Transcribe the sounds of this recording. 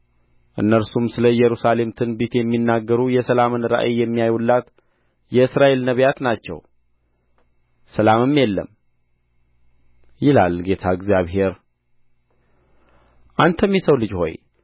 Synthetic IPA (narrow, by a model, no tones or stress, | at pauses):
ʔɨ̰nːəɾsumsɨləjɛɾusale̞mt̪ʰɨnbet̪jɛmːinːaɡːəɾujɛsəlamɨnɾa̰ʔejɛmːijajulːat̪ | jɛɨsɾaʔe̞lnəβjat̪nat͡ʃːɛ̰w | səlamɨmːjɛlːə̰m | jɪla̰lɡe̞t̪ʰaɨɡzijaβɦe̞ɾ | ʔant̪ʰəmːisəwlɨd͡ʒho̞̰j